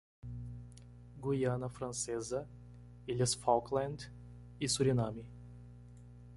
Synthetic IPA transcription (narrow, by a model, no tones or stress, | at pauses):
ɡujanɐfɾɐnsɛzɐ | ilʲɛsfawklˠɛnd̪ | isuɾʲinami